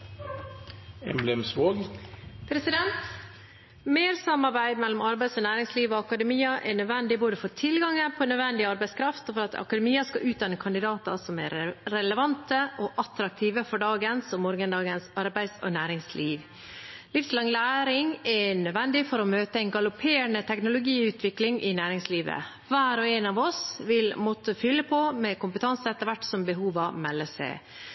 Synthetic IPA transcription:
ɛ̰mblɛmsʋoːɡpʰɾɛsɪd̪ɛnt̪ | meːɾsɑmːɑɾbæɪd̪mɛlːɔmɑɾbæɪsɔnæːɾɪŋsliːʋoɑkɑd̪əmiːɑʔɛɳœd̪ʋɛnd̪ɪboːd̪əfɔt̪ʰɪlɡɑŋːəpʰɔnœd̪ʋɛnd̪ɪɑɾbæɪskʰɾɑft̪ɔfɔɾɑt̪ɑ̰kɑd̪ɛmiːɑskɑʔʉːt̪̚d̪ɑnːəkʰɑnd̪ɪd̪ɑːt̪ɑ̰sɔmɛ̰ɾɾɛləʋɑnt̪əʔɔʔɑt̪ɾɑk̚t̪ʰiːʋəfɔɖɑːɡənsɔmːɔɾɡənd̪ɑːɡənsɑɾbæɪsɔ̰næːɾɪŋsliːʋ | lɪfslɑŋlæːɾɪŋɛɳœd̪ʋɛnd̪ɪfɔɾɔmøːt̪əæɪnɡɑlʊpʰeːəɳət̪ʰɛknʊlʊɡiːʉːt̪ʰʋɪklɪŋʔɪnæːɾɪŋsliːʋə̰ | ʋæːɾɔɛnɑʋɔsʋɪlmɔt̪ːəfʏlːəpʰɔmɛkʊmpət̪ɑnsəɛt̪ːəɾʋæʈːsɔmbəɦuːʋɑmɛlːəsæ̰ɪ

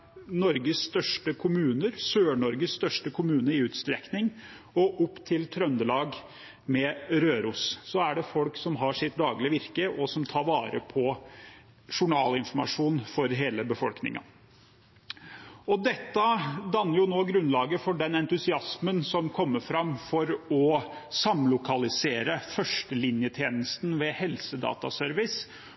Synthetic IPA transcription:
nɔɾɡəsːt̪œʂʈəkʰʊmʉːnəɾsøːɳɔɾɡəsst̪œʂʈəkʰʊmʉːnəɾɪʉːt̪st̪ɾɛknɪŋ | ɔʔʊpːt̪ʰɪlt̪ʰɾœnd̪əlɑːɡ | mɛɾøːɾʊssɔæɖɛfɔlksɔmɦɑʂɪt̪̚d̪ɑːɡlɪəʋɪɾkəʔɔsɔmt̪ʰɑːɾʋɑːɾə̰pʰɔ | ʂʊɳɑːlɪnfɔɾmɑ̰ʂuːnfɔɾɦeːləbəfɔlknɪ̰ŋɑ̰ | ɔd̪ɛt̪ːəd̪ɑnːəɾjʊnoːɡɾʉnlɑːɡəfɔɖɛnɛnt̪ʉsɪɑsmənsɔmkʰɔmːəfɾɑmːfɔɾɔsɑmlʊkʰɑlɪseːɾəfœʂʈəlɪnjət̪ʰjeːnəst̪n̩ʋɛhɛlsəd̪ɑ̰ːt̪ɑ̰sœɾʋɪs

